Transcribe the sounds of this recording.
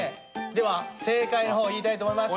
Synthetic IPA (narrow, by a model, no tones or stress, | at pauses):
d̪e̞βase̞ːkainoɦo̞ːiːt̪ait̪oːmoimas